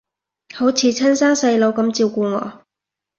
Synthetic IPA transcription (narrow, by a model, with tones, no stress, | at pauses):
ho˨˥wt͡sʰiː˨˧t͡sʰɐ˥nsaː˥ŋsɐ˧jlo˨˥wkɐ˨˥mt͡siː˧wkuː˧ŋɔ̰ː˨˧